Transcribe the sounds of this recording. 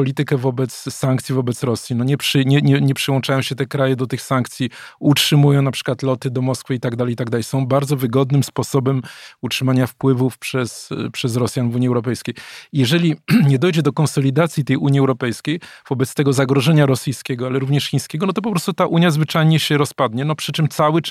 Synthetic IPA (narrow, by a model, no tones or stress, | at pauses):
pɔlʲit̪ɘkɛvɔbɛt̪sːaŋkt̪sʲivɔbɛt̪sɾɔsʲjinɔɲɛpʂɘɲɛɲɛɲɛpʂɨwɔ̃nt͡ʂajɔ̃ɕɛt̪ɛkɾajɛd̪ɔt̪ɘxsaŋk̚t̪sʲjiutʂɘmujɔ̃w̃napʂɘ̥kwat̪lɔt̪ɘd̪ɔmɔskfɘit̪aɡd̪alɛjit̪aɡd̪alɛjsɔ̃w̃baɾd̪zɔvɘɡɔd̪nɘmspɔsɔbɛmutʂɘmaɲafpwɘvufpʂɛspʂɛzɾɔsʲjanvuɲiɛwɾɔpɛjskʲejjɛʐɛlʲiɲɛd̪ɔjd͡ʑɛd̪ɔkɔ̃nsɔlʲid̪at̪sʲjit̪ɛjʔuɲiɛwɾɔpɛjskʲejv̥ɔbɛt̪st̪ɛɡɔzaɡɾɔʐɛɲaɾɔsʲijskʲɛɡɔalɛɾuvɲɛʂxʲiɲ̃skʲɛɡɔnɔt̪̬ɔp̬ɔpɾɔst̪ut̪aʔuɲjazvɘt͡ʂajɲɛɕɛɾɔspad̪ɲɛnɔpʂɘt͡ʂɘmt̪sawɘ